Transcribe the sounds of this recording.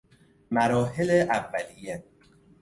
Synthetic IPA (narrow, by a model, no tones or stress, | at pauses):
mæɾɒːɦeleʔævːælijːe